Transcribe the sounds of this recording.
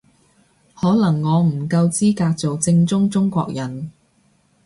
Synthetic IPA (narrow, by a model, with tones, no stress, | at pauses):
hɔː˨˥lɐ˨˩ŋːɔː˨˧m̩˨˩kɐ˧wt͡siː˥kaː˧k̚t͡so˨wt͡sɪ˧ŋt͡sʊ˥ŋt͡sʊ˥ŋkʷɔ̰ː˧k̚jɐ˨˩n